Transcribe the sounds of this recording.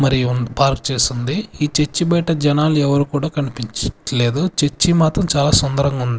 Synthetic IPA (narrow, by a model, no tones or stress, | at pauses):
mɐɾiunpaːɾkt͡ʃeːsind̪iiːt͡ʃet͡ʃːibɐjʈɐd͡ʒɛnaːluɛʋɐɾuːkuːɽaːkɐnipiɲt͡ʃle̞ːd̪ut͡ʃet͡ʃːimaːt̪ɾɐmt͡ʃaːlaːsɔnd̪ɐɾɐŋɡaund̪i